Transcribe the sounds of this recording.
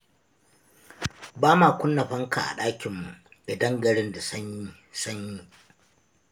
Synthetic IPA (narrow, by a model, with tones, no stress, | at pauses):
baː˦maː˨kʷʊ˦nːɐ˨ɸɐ˦ŋka̰˨ʔa̰˨ɗaː˦kʲɪ˨mːu˨ʔda˨dɐ˦ŋɡɐ˨ɽɪ˦nda˨sɐ˦ɲ˦ | sɐ˦ɲji˦